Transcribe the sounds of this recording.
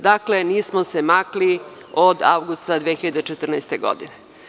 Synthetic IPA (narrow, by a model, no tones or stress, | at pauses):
d̪akle̞niːsmosemakli | od̪a̰wɡust̪ad̪ʋeːxiʎad̪et͡ʃet̪r̩najst̪eɡo̰d̪ḭne